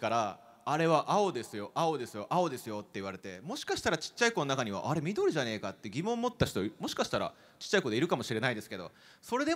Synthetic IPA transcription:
kaɾaː | ɾe̞βaʔao̞d̪e̞sɨjo̞ʔao̞d̪e̞sɨjo̞ʔao̞d̪e̞sɨjo̞t̪ːe̞iβ̞aɾe̞t̪e̞mo̞ɕi̥kaɕi̥t̪aɾat͡ɕi̥t͡ɕːaikononakaɲ̟iβ̞a̰ʔaɾe̞mʲid̪o̞ɾɯ̟ʑane̞ːkat̪ːeɡʲimõ̞mːo̞t̪ːaɕi̥t̪o̞imo̞ɕi̥kaɕi̥t̪aɾa̰ | t͡ɕi̥t͡ɕːaiko̞ːd̪e̞iɾɯ̟kamo̞ɕiɾe̞naid̪esɨ̥ke̞d̪o̞̰ | so̞ɾe̞d̪e̞

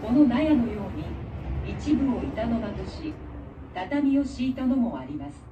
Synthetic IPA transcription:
ko̞no̞najano̞jo̞ːɲ̟iit͡ɕibɯ̟o̞it̪ano̞bat̪o̞ɕi | d̪̥at̪amʲio̞ɕiːt̪ano̞mo̞aɾʲimasɨ̥

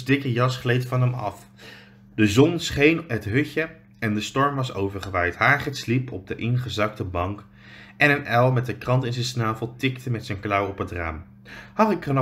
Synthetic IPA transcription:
dɪkəjɑsχlejtfɑnɦɛmɑ̰f | dəzɔnsχejnɦətɦɵcə | ɛndəstɔɹmʋɑsowvəɹχəʋɛjtɦaːχɪtslipʰɔb̚dəʔɪnχəzɑk̚təbɑŋk | ʔɛnənɛlˠmɛt̚dəkrɑntɪnzɛnsnaːvəlˠtɪktəmɛtsɛjnklɑwɔpɦətra̰ːm | hɑχɪkχən

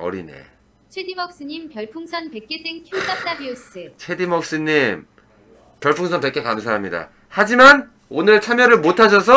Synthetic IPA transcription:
ʌ̰ɾḭnḛ | t͡ɕʰwedimʌk̚s͈ɯɲimpjʌɭpʰuŋsʰʌnpek͈es͈eŋkʰjot͈ap̚t͈abios͈ɯt͡ɕʰwedimʌk̚s͈ɯɲim | pjʌɭpʰuŋsʰʌnpek͈e̞kanɯnsʰaamɲida̰ | had͡ʑiman | onɯɭt͡ɕʰamjʌɾɯɭmotʰad͡ʑʰʌs̬ʰʌ

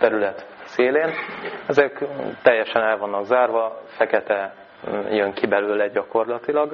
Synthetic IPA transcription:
t̪ɛɾylɛt̪ | seːleːnɛzɛkt̪ɛjːɛʃɛnɛlvɒnːɒɡzaːrvɒfɛkɛt̪ɛ | jøŋkibɛløːlɛɟɒko̞rlɒt̪ilɒɡ

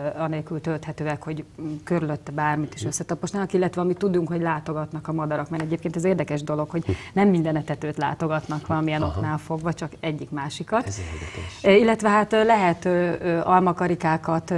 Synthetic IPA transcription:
ɒneːlkylt̪ølt̪hɛt̪øːɛkho̞ɟkø̞ɾylø̞t̪ːɛbaːrmit̪i̥ʃø̞sːɛt̪ɒpoʃnaːnɒkilːɛt̪ʋɛɒmit̪ːud̪uŋkho̞ɟlaːt̪o̞ɡɒt̪nɒkɒmɒd̪ɒɾɒkmɛɾɛɟeːp̚keːnt̪ɛzeːrd̪ɛkɛʒd̪o̞lo̞kho̞ɟnɛmːind̪ɛnɛt̪ɛt̪øːt̪la̰ːt̪o̞ɡɒt̪nɒkʋɒlɒmiɛno̞knaːlfo̞ɡʋɒt͡ʃɒkɛɟːikmaːʃikɒt̪ | ilːɛt̪ʋɛɦat̪lɛɦɛt̪ːʔɒlmɒkɒɾikaːkɒt̪

